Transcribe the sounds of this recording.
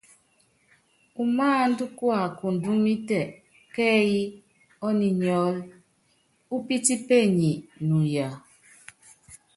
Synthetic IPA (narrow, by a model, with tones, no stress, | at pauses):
u˨maː˦˨n̩˦du˦kwa˨ku˨n̩˨du˦mi˦tɛ˨ | kɛː˦ji˦ | ɔ˦ni˨ɲɔ˦l | u˦pi˦ti˦pe˦˨ɲi˨nu˨ja˨